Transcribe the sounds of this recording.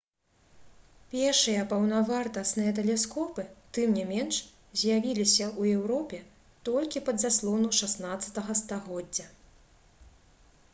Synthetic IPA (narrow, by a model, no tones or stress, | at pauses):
pʲɛrʂɨjɐpɐwnavart̪ɐsnɨjɐt̪̬ɛlʲɛskɔpɨt̪ɨmnʲimʲɛnʂ | zʲjavʲilʲisʲɐuɛwɾɔpʲɛ | t̪ɔlʲkʲipɐd̪zaslˠɔnuʂasnat̪sːɐ̥t̪ɐɣɐst̪aɣɔd͡zʲːɐ